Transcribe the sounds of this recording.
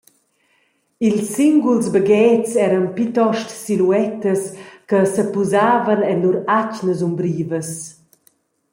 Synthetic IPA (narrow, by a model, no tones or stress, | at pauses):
ilsiŋɡulzbəɡɛːtt͡sɛɾənpit̪ɔʃtsiluɛt̪əskəsəpuzaːvənɛnuɾat͡ʃnəzumbɾiːvəs